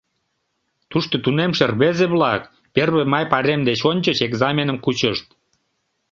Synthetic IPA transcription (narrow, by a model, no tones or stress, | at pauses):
t̪uʃt̪ot̪unemʃerβezeβlɑk | perβemɑjpɑɾemd̪et͡ɕonʲt͡ɕət͡ɕeɡzɑmʲenəmkut͡ɕəʃt̪̚